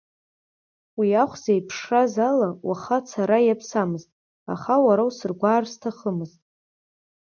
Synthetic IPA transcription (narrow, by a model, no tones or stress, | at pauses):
wiaχʷzejpʰʂrazalawaχat͡sʰaɾajapʰsamɨztʼ | a̰χawaɾawsɨrɡʷaːrstʰaχəmɨztʼ